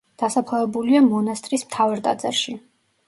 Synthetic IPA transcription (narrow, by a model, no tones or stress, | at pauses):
d̪̥asapʰlɛvɛbuliamɔnast̪ʼɾismt̪ʰavaɾt̪ʼa̰d̪za̰ʃi